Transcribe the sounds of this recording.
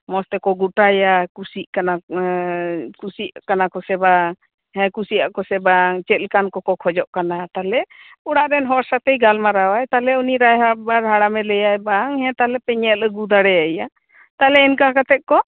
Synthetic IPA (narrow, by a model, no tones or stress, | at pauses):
mɔst̪ɛkɔɡuʈajakusiʔkana | kusiʔakanakɔsɛbaŋ | hɛ̃kusiʔaʔkɔsɛbaŋt͡ʃɛt̪̚lkankɔkɔkʰɔd͡ʒɔʔkanat̪alɛ | uɽaʔɾɛnɦɔɾsat̪ɛjɡalmaɾawajt̪alɛuniɾajɦabaɾɦaɽamɛlɛjajbaŋɦɛ̃t̪alɛpɛɲɛʔ̪əɡud̪aɽɛjaja | t̪alɛinkakat̪ɛʔ̪̚kɔ